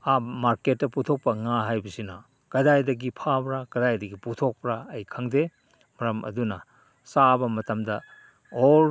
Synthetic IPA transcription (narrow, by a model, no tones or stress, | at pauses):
amaɾket̚ːɐputʰok̚pɐŋaɦajbɐsinɐ | kɐdajdɐɡipʰabɾakɐdajdɐɡiputʰok̚pɾaɐjkʰɐŋde | mɐɾɐmʔɐ̰dunɐ | sabɐmɐtɐmdɐ | oɾ